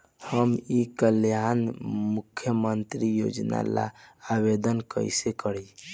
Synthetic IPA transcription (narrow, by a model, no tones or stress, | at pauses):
həmikəljanmukʰːjəmənt̪ɾijo̰d͡ʒna̰la̰abed̪ənkə̰ɪsekəɾi